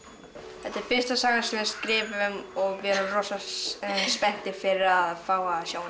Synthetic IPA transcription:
θɛt̪ːɛɾfɪn̥st̪asaːɣaɾsɛmjɛ̥skɾɪːvɪʏmɔɣvjɾʏmrɔːsa | spɛn̥t̪ɪfɪɾɪɾaðfaːwasjoːwn

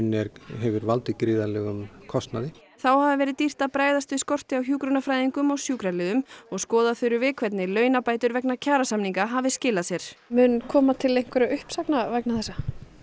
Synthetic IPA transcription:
nːɛɾɦɛvʏɾvalt̪ɪkɾiːðalɛɣʏmkʰɔst̪naðɪ | θawhavðɪvɛːɾɪt̪ir̥t̪apɾaːjðast̪vɪskɔr̥t̪ɪawçjuːkɾʏnafɾaːjðiŋkʏmawsjuːkɾalɪːðʏmɔɣskɔːðaθœɥɾʏvɪːkʰvɛt̪nɪlœːɥnapaːjt̪ʏɾvɛknacʰaːɾasamniŋkaɦavɪscɪːlasjɛɾ̥mʏnkʰɔːmat̪ʰɪlejŋ̥kʰvɛɾʏʏhpsaknavajknaθɛsːa

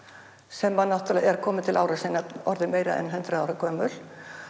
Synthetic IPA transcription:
sɛmːanːawht̪alɛɣɛɾkʰɔːmɪt̪ʰɪlʔaːwɾasiːnaɔɾðɪmeːjɾa̰ɛ̰nɦɛnt̪ɾʏðaːwɾakʰœːmʏl̥

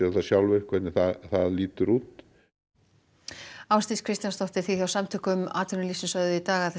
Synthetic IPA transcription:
ɛðaθasjawlvʏ̥kvɛt̪nɪθaðθaðliːt̪ʏɾuːt̪ | awst̪iskʰɾɪst̪janst̪ɔht̪ɪɾ̥θiθjawsamt̪ʰʏːkʏʏma̰ːt̪ʰʏɾnɪlisɪnsœððʏit̪aːɣaðθ

